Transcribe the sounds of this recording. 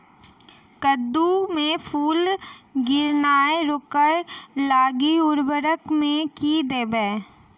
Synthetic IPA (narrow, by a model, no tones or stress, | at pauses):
kəd̪ːumẽpʰuːlɡɪɾnaːeɾʊkəjlaːɡiʊɾbəɾəkmẽkid̪eːbɛː